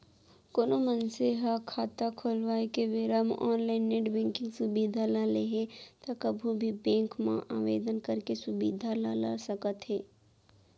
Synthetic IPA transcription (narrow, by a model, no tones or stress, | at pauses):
koːnomənseɦakʰaːt̪akʰoːlwaːekeʋɪɾamʔɔːnlaɪnːeʈbɪ̃ŋkɪ̃ŋɡsʊbiːd̪ʱalaleɦɛt̪akəbʱubʱibɛ̃ːŋkmã̰ʔaːʋḛːd̪ənkəɾkesʊbḭːd̪ʱalala̰səkət̪ɦɛː